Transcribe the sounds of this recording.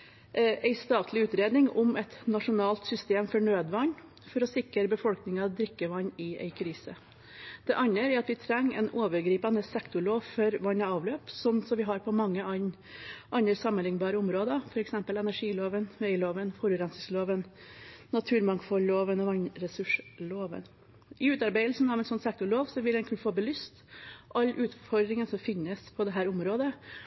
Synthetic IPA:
ʔæɪst̪ɑːt̪ʰlɪʉːt̪ɾeːd̪nɪŋʊmɛt̪nɑʂʊnɑːlt̪sʏst̪eːmfɔɳøːd̪ʋɑnː | fɔɾɔsɪkəɾəbəfɔlknɪŋɑɑʋd̪ɾɪkːəʋɑɲːɪæ̰ɪkʰɾiːsə | d̪̥ɛʔɑnːəɾæɑt̪ʋɪt̪ʰɾɛŋːɛ̰ɪnoːʋəɾɡɾiːpɑnəsɛkt̪ʊɭoːʋfɔɾʋɑnːɑɑːʋløːpsɔnsɔmʋɪɦɑɾpʰɔmɑŋːəɑn | ʔɑnəɾsɑmːənlɪŋbɑːɾəʊmɾoːd̪əfɔɾɛksɛmpəlɛnæɾʂiːloːʋənʋɛɪloːʋənfɔɾʉɾɛnsɪsloːʋənnɑt̪ʰʉːɾmɑŋkfɔlloːʋənɔʋɑnɾɛsʉʂloːʋə̰n | ʔɪʉːt̪ɑɾbæɪd̪lsn̩ɑʋɛnsɔnsɛk̚t̪ʊɭoːʋsɔʋɪld̪ɛnkʰʉnəfoːbəlʏst̪ʔɑlːʔʉːt̪fɔɾd̪ɾɪŋənsɔmfɪnːəspʰɔd̪ɛɦæːɾʊmɾoːd̪ə

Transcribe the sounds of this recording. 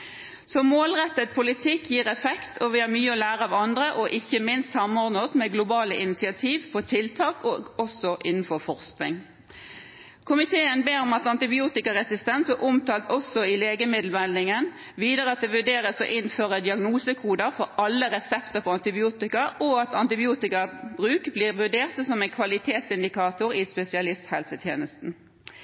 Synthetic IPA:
sɔmoːlʁɛt̪ːət̪̚pʰʊlɪt̪ʰɪkːjiːʁɛfɛkt̪ʰɔʋɪhɑɾmyːəɔlæːʁəɑʋɑnd̪ʁəʔɔʔɪçːəmɪnst̪sɑmːɔʁd̪nəɔsmɛɡlʊbɑːləʔɪnɪsɪɑt̪ʰiːʋpʰɔt̪ʰɪlt̪ʰɑːkɔɔsɔʔɪnn̩fɔɾfɔʁsknɪŋ | kʰʊmɪt̪ʰeːənbeːɾɔmɑt̪ɑnt̪ɪbɪuːt̪ɪkɑʁɛsɪst̪ɛnt̪əʔʊmt̪ʰɑːlt̪ɔsɔɪleːɡəmɪd̪l̩mɛlɪŋən | ʋiːd̪əʁəɑt̪̚d̪ɛːʋʉɖeːʁəsɔ̰ʔɪnføːʁəd̪ɪɑɡnuːsəkʰuːd̪əfɔɾɑlːəʁɛsɛpt̪əpʰɔɑnt̪ɪbɪuːt̪ɪkɑɔɑt̪ʰɑnt̪ɪbɪuːt̪ɪkɑbʁʉːkbliːʁʋʉɖeːʁt̪sɔmæɛɪnkʰʋɑlɪt̪ʰeːt̪sɪnd̪ɪkʰɑːt̪ʊʁispɛsɪɑlɪst̪hɛlsət̪ʰjeːnəst̪n̩

